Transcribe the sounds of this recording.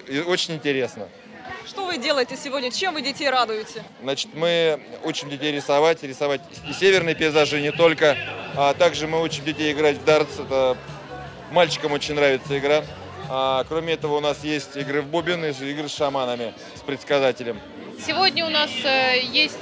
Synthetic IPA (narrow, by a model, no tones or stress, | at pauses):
o̞t͡ɕɪnʲɪnʲtʲɪɾʲe̞snə | ʂt̪o̞vɨdʲe̞lˠəjɪtʲɪsʲɪvo̞dʲnʲət͡ɕemvɨdʲɪtʲejrad̪ʊjɪtʲɪznat͡ɕɪ̥t̪mɨut͡ɕɪmdʲɪtʲejɾʲɪsɐvatʲɾʲɪsɐvatʲ | sʲevʲɪrnɨjpʲɪɪzaʐɨnʲɪt̪o̞lʲkəat̪aɡʐɨmɨut͡ɕɪmdʲɪtʲejɪɡɾatʲvd̪art̪sɛt̪ə | malʲt͡ɕɪ̥kəmo̞t͡ɕɪnʲnːɾavʲɪt̪səɪɡɾa | akɾo̞mʲɪɛt̪əvəʊnasjesʲtʲɪɡɾɨvbubʲɪnɨiɡɾɨsʂɐmanəmʲɪ | spɾʲɪt̪skɐzatʲɪlʲɪm | sʲɪvo̞dʲnʲəʊnasjesʲtʲ